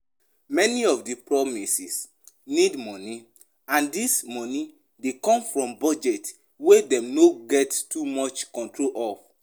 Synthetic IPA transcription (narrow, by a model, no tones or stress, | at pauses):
mɛniɔfdipɹɔmisis | nidmɔni | ãndismɔni | dekɔ̃mfɹɔ̃mbɔd͡ʒɛt | wedɛ̃mnoɡɛttumɔt͡ʃkɔ̃ntʰɹolʔɔf